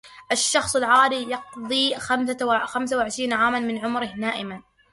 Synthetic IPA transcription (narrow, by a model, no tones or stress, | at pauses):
ʔaʃːɑxsˤɪlʕaːɾijɑqðˤiːxamsxamsawɪʕɪʃɾiːnaʕaːmanmɪnʕʊmɾɪhnaːʔɪman